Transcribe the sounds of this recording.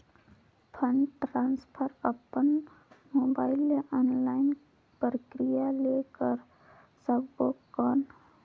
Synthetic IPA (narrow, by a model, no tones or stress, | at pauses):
pʰə̃ɳɖʈɾãːnspʰəɾəpən | moːbaːɪlːeʔɔːnlaːɪn | pɾəkɾijalekəɾ | səbkoːkːɔːn